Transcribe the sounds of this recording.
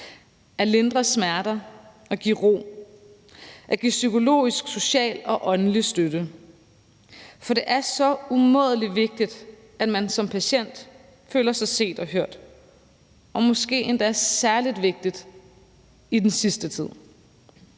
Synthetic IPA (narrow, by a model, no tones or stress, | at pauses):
æɐle̝nd̥ʁɐsmæɐd̥ɐ | ɒ̽ɡ̥iʁo̝̰ː | ʔæɐɡ̥isykʰo̝lo̝̰ːisɡ̥so̝ɕɛ̰ːlɒ̽ʔɒ̽nəlisd̥øɾə | fɒ̽de̝ʔæɐsɒ̽umɔ̰ːð̞ˠlidʋe̝ɡ̥̚d̥id̥ | æd̥mænsɒ̽mpʰæɕen̰d̥ | fø̰ːlɐsɑ̈ɪse̝̰ːd̥ɒ̽ɦøɐ̰d̥ | ɒ̽mɒ̽sɡ̥e̝̰ːend̥ææɐsæɐlid̥ʋe̝ɡ̥̚d̥id̥ | id̥ensisd̥ət͡sʰið̰ˠ